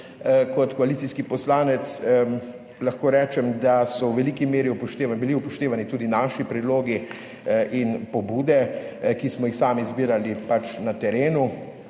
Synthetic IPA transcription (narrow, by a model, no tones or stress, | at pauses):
kɔt̪kɔalit̪siskipɔslaːnɛt̪s | laxkoːɾɛːt͡ʃɛmd̪asɔwʋɛliːkimeːɾiupɔʃt̪eːʋbiliupɔʃt̪eːʋanit̪uːd̪inaːʃipɾɛd̪loːɡi | ʔinpɔbuːd̪ɛkismɔjixsaːmizbiːɾalipat͡ʃnat̪ɛɾeːnu